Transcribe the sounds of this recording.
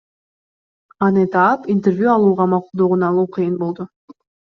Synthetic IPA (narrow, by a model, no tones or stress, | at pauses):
ɑnɯt̪ɑːpint̪ervʲjuɑlˠuːʁɑmɑqulˠd̪oʁunɑlˠuːqʰɨjɯnbo̞lˠd̪ʊ